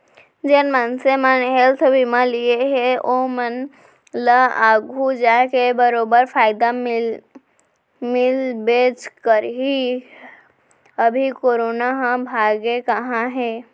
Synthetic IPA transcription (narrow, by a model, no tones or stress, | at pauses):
d͡ʒeːnmənsemənɦelt̪ʰbʱimãlieɦeʔomən | laa̰ːɡʱud͡ʒaːkebəɾoːbəɾpʰaːɪd̪aɪ | mɪlbeːd͡ʒkəɾɦi | əbʱikoːɾoːnaɦãbʱaːɡekəɦãɦɛ̃ː